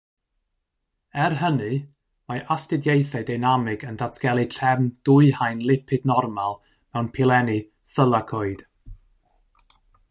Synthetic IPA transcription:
ɛrɦənɨ | maʔastɪdjejθadajnamɪɡəndatʰɡ̥ɛlˠɨtʰrɛvnd̥ʊɨhajnlˠɪpʰɨdnɔrmalˠ | mɛwnpʰɪlˠɛnɨ | θəlˠakʰoːɨd̥

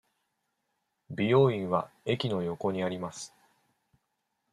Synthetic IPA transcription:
bʲijo̞ːĩɰ̃βae̞kʲino̞jo̞ko̞ɲ̟iaɾʲimasɨ̥

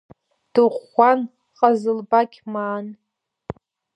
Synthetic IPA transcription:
d̥ɨʁʷan | qʼazɨlbakʲmaːn

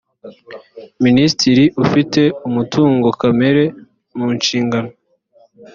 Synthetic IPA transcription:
ministiɾiʔufite̞umutuːŋɡo̞kame̞ɾe̞ | muːnʃiːŋɡano

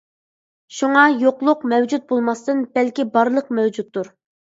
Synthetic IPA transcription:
ʃuŋɑjoqlˠʊqmɛwd͡ʒut̪̚bolˠmɑst̪ɨnb̥ɛlkʲibɑɾlˠəqmɛwd͡ʒut̪ːuɾ

